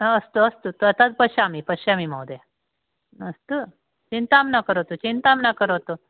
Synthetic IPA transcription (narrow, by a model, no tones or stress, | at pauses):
əst̪oəst̪ot̪uət̪ad̪̚pəɕamipəɕamimawd̪e | əst̪o | t͡ʃint̪amnakəɾot̪ot͡ɕint̪amnakəɾot̪o